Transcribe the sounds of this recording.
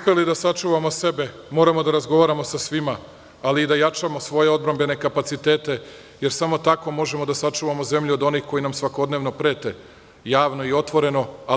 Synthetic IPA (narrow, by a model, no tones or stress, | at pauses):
pe̞lid̪asat͡ʂuːʋamo̞se̞be̞ | mo̞ːɾamo̞d̪aɾazɡo̞ʋaːɾamo̞sasʋima | aliːd̪ajat͡ʂamo̞sʋo̞je̞o̞d̪bɾambe̞ne̞kapat̪sit̪e̞ːt̪e̞ | je̞ɾsamo̞t̪ako̞mo̞ʒe̞mod̪asat͡ʂuːʋamoze̞mʎuo̞d̪o̞nixko̞jinamsʋako̞d̪neːʋno̞pɾe̞ːt̪e | jaːʋnoio̞t̪ʋo̞ɾe̞no̞a